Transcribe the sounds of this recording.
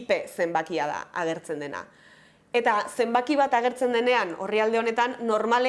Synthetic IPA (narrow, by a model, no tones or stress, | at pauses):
pe̞se̞mbakiaða̰aɣ̞e̞ɾt͡se̞nd̪e̞na̰ | e̞t̪ase̞mbakiβ̞at̪aɣ̞e̞ɾt͡se̞nd̪e̞ne̞ano̞̰riald̪eo̞ne̞t̪anːo̞ɾmale